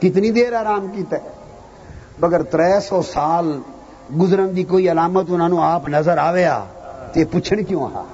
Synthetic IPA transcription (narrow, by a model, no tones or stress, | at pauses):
kɪt̪nĩːd̪eːɾaːɾaːmkiːt̪ɛː | bəɡəɾt̪ɾɛːsɔːsaːl | ɡʊzɾənd̪iːkoːiːəlaːmət̪ʊnãːnũːaːpnəzəɾaːʋeːa̰ːt̪eːpʊt͡ʃʰəɳkjõːə̰ɦã̰ː